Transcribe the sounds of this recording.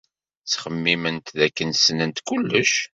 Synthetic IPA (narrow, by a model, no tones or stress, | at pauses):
t͡sːχəmːimənt̪ðækːənsnənt̪kulːəʃ